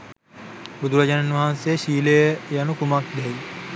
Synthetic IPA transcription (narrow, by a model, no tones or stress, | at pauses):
bud̪uɾɐd͡ʒananʋaɦansejʃiːləjəjanukumak̚d̪ɛi